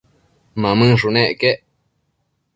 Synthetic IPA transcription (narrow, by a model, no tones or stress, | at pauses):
mãmɨ̃ʂunẽʔkeʔ